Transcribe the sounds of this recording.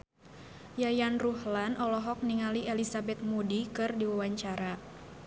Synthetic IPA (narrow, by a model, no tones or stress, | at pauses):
jajanruhlanʔɔlɔɦɔk̚niŋalielisabɛt̪̚mudikɨrdiwawaɲt͡ʃaɾa